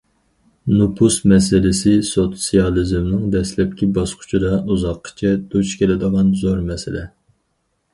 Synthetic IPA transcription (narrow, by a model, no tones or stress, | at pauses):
nupʰusmɛsɪlɪsɪsot̪sijɑlˠɨzɪmnɨŋd̪ɛslɛp̚kʲibɑsqʰʊ̥t͡ʃʰid̪ɑuzɑqʰːə̥t͡ʃʰɛd̪ut͡ʃkʲelɪd̪əʁɑnzoɾmɛsɪlɛ